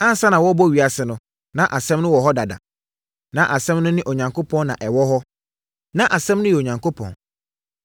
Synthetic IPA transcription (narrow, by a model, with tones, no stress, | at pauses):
ã˦n̩˦sa˦nã˨wɔ˦bɔ˦˨ɥi˨a˨sɪ˨nʊ̃˦ | nã˨ʔa˨sɛ̃˦mnʊ̃˦wɔ˨ɦɔ˦da˨da̰˨ | nã˦ʔa˨sɛ̃˦mnʊ̃˦nɪ̃˦ʔo˨ɲã˨ŋkʰo˦pʰɔ̃˦nnã˨ʔɛ˨wɔ˦ɦɔ˦ | nã˦ʔa˨sɛ̃˦mnʊ̃˦jɛ˨o˨ɲã˨ŋko˦pʰɔ̰̃˨n